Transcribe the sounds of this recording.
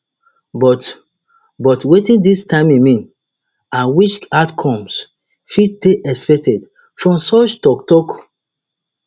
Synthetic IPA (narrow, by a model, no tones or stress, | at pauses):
bɔt | bɔtwetĩndistãɪ̃mimĩn | ãnwit͡ʃatkʰɔ̃ms | fid̚teɛkspɛk̚tɛd | fɹɔ̃msɔt͡ʃtɔktɔk